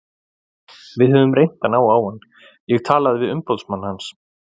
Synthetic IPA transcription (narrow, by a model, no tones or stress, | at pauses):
vɪðhœːvʏmrejn̥t̪anaːwaːwan | jɛɣt̪ʰaːlaðvɪðʏmpɔlsmanːahans